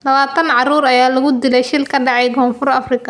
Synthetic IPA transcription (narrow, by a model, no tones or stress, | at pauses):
lɐβaːt̪ʰɐnʕɑruːɾɐjaːlɐɣʊd̪ɪlɛjʃɪlkʰɐɖɑʕɛjkʰɔːnfʊrɐfrɪkʰɐ